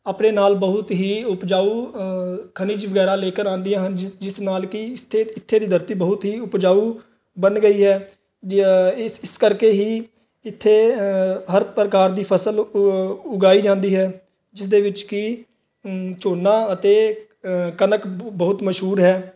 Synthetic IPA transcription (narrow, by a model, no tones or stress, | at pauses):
aːpneːnaːlbəɦʊt̪ɦiːʊpd͡ʒaːuː | kʰəniːd͡ʒʋəɡɛːɾaːleːkəɾãːnd̪ijãːɦənd͡ʒɪsnaːlkɪt̪ʰːeːɪt̪ʰːeːd̪iːd̪əɾt̪iːbəɦʊt̪ɦiːʊpd͡ʒaːuː | bənɡəiːɦɛː | ɪskəɾkeːɦiː | ɪt̪ʰːeːɦəɾpɾəkaːɾd̪iːpʰəsəl | ʊɡaːiːd͡ʒãːnd̪iːɦɛː | d͡ʒɪsd̪eːʋɪt͡ʃkɪ | t͡ʃoːnːãːət̪eː | kənəkbəɦʊt̪məʃɦuːɾɦɛː